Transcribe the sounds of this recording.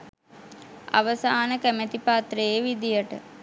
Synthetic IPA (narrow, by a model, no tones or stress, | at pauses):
a̰ʋəsaːnəkæmet̪ipat̪rəeʋid̪ijəʈə